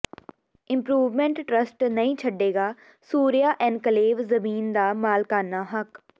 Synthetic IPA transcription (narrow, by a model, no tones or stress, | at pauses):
ɪ̃mpɾuːʋmɛ̃ɳʈːɾəsʈnəĩːt͡ʃʰəɖːeːɡaː | suːɾijaːʔɛ̃ːnkəleːʋzəmiːnd̪aːmaːlkaːnaːɦək